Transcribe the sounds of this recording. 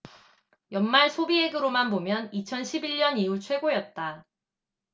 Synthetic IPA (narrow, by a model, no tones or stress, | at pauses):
jʌnmaɭsʰobiɦeɡɯɾomanbomjʌnit͡ɕʰʌnɕʰibiɭɲʌniuɭt͡ɕʰwe̞ɡojʌt̚t͈a